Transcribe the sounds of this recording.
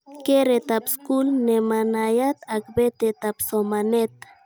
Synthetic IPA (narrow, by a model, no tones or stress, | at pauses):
keɾet̪apskulnemanajat̪akbet̪et̪apsomanet̪